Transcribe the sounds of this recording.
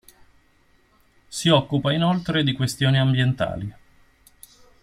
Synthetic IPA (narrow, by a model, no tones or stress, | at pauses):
siɔkːupainolt̪ɾed̪ikwest̪joːniambjent̪a̰ːli